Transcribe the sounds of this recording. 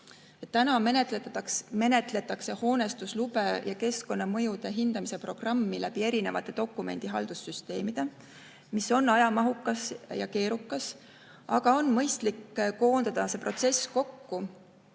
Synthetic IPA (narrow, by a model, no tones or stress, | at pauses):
et̪ːænɑmenet̪leme̞ne̞t̪ˑle̞t̪ːˑɑkse̞ho̞ːne̞st̪uslub̥e̞jɑke̞sko̞nːɑmɤ̞jud̪̥e̞ɦind̪̥ɑmise̞pro̞ɡ̥rɑmːilæb̥ie̞ɾine̞vɑt̪ːˑe̞d̪̥o̞kːˑume̞nd̪̥iɦɑld̪̥usːyst̪e̞ːmid̪̥e̞ | miso̞nːɑjɑmɑɦukːˑɑsjɑ̰ke̞ːɾukːˑɑs | ʔɑɡ̥ɑo̞nmɤjst̪likːko̞ːnd̪ɑd̪̥ɑse̞ːpro̞t̪se̞sko̞kːu